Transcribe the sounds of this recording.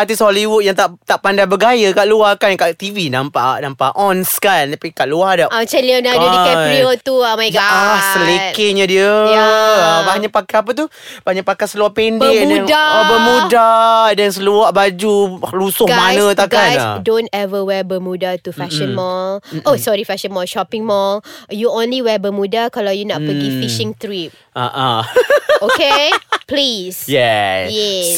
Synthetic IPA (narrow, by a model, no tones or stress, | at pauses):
at̪isholiwut̪̚jaŋt̪aʔt̪aʔpandajbəɡajəkaʔluahkankaʔt̪ivinampa̰ʔnampa̰ʔʔɔnskant̪apikaʔluahadaʔat͡ʃɛlianaudiɛiot̪uamaasəlekɪɲadiə | abaɲaʔpakaap̬ət̪u | b̥aɲaʔpakasəluaʔpɛndɛmdanabəmudadɛns̬əluaʔbad͡ʒulusʊhɡamajnə̃t̪akɡasdõntɛvəwɛbəmudat̪ufɛʃə̃nmɔlosɔɹifɛʃə̃nmɔlʃɔpɪ̃ŋmɔljuõnliwɛbəmudakalawjunapəɡifiʃɪ̃ŋt̪ɾip̚ | a̰ʔa | okeplisjɛjɛss